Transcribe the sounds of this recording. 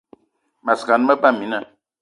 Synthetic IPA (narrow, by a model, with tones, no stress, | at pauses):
ma˨ska˨n˦mə˦ba˦˨mi˨na˦˨